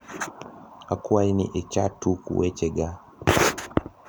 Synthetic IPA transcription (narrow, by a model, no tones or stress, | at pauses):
akuainḭʔɛt͡ʃatukṵwɛt͡ʃɛɡa